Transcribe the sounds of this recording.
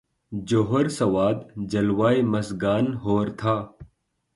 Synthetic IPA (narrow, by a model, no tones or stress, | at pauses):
d͡ʑoːɦɐɾsɐwaːd̪d͡ʑɐlwaːimɐsɡaːnɦoːɾt̪ʰaː